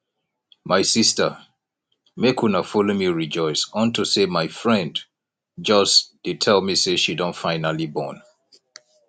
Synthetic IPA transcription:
maɪsistə | mekʰunafɔlomiɹid͡ʒɔɪsɔ̃ntusemaɪfɹɛ̃nd | d͡ʒʌsd̥id̚tʰɛlmiseʃidõntfãɪnalibɔ̰̃n

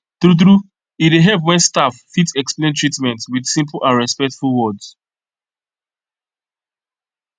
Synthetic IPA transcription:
θɾuθ̬ɹu | ideɦɛvwɛ̃nstafːitɛksplẽntʰɹitmɛ̃ntwið̥sĩmpl̩ʔãnɹɛspɛk̚tfulˠwɔds

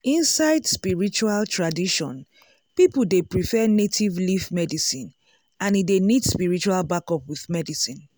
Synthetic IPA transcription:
ĩnsaɪdspiɹit͡ʃualtʰɹadiʃɔ̃n | pipul̩depɹifɛnetʰivlifmɛdisĩn | ãnidenidspiɹit͡ʃualbakɔpwiðmɛdisĩn

